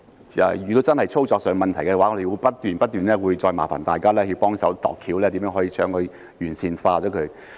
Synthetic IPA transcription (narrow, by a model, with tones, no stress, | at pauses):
a̰˨jyː˨˩t̪o˥t͡sɐ˥nhɐ˨jt͡sʰo˥wt͡sɔː˧k̚sœː˨ŋmɐ˨nt̪ʰjkɛ˧waː˨˥ŋɔː˨˧e˨˧wu˨˧˥pɐ˥t̚t̪yː˨˩npɐ˥t̚t̪yː˨˩nlɛː˥wuː˨˧jt͡sɔː˧jma̰ː˨˩fa̰˨˩nt̪aː˨jkaː˥lɛː˥ji˧wpɔː˥ŋsɐ˨˥wt̪ɔ̰ː˨kʰːiː˨˥wlɛː˥t̪i˨˥mjœː˧˥ŋɦɔ˨˥jiː˧t͡ʃʰœː˨˥ŋkʰɵ˨˧ɥ | jyː˨˩nsiː˨˩nfaː˧t͡sɔː˨˥kʰɵ˨˧˥